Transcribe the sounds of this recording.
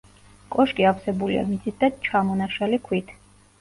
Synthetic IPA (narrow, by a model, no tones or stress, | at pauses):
kʼɔʃkʼiafsɛbulḭa̰mid̪zid̪at͡ʃʰamɔnaʃalikʰwit̪ʰ